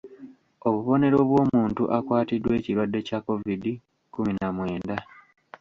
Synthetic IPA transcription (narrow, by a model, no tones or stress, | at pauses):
o̞βuβo̞ne̞ɾo̞βwo̞ːmuːntuʔakwaːtidːwe̞ːciɾwadːe̞cako̞vidi | kuminamwe̞ːnda